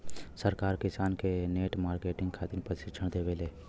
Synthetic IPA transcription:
səɾkaːɾkɪsaːnkeneːʈmaːɾkeːʈɪ̃ŋɡkʰaːt̪ɪɾpɾəʃɪt͡ʃʰəɽ̃d̪eːʋeleː

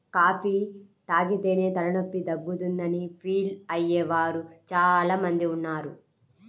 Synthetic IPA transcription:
kaːpʰiː | t̪aːɡit̪e̞ːne̞ːt̪ɐɾɐnopːid̪ɐbːut̪und̪ɐnipʰiːlɐjːɛːʋaːɾut͡ʃaːlaːmɐnd̪iunːaːɾu

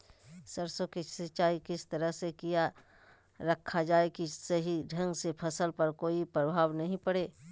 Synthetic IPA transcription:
səɾsõkisɪt͡ʃaːikɪst̪ɐɾəɦsekija | ɾəkʰːad͡ʒaːekisəɦiɖʱɐ̃ŋɡsepʰɐsəlpɐɾkoːipɾəbʱaːʋnɐɦĩpɐɽeː

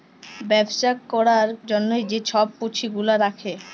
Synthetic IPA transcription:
bɛbʃakɔɾaɾd͡ʑonːojd͡ʑet͡ɕʰɔb̚kot͡ɕʰiɡulaɾakʰe

